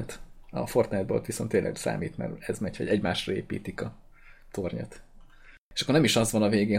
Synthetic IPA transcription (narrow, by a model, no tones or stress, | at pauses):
t̪ɒ̰fo̞rt̪nɛd̪bolt̪ʋisont̪ːeːlʔɛ̰ɡsa̰ːmiːt̪mɛ̰rɛzmɛchɒ̰ɟɛɟmaːʃrɒeːpḭːt̪ikɒ | t̪o̞rɲo̰t̪ | eʃɒkːornɛmiʃɒzʋɒnɒveːɡeː